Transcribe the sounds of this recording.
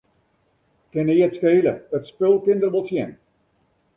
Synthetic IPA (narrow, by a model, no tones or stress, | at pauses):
kɪnɪːətskeːləətspɪlˠkɪnd̪ərbəlˠsjɛn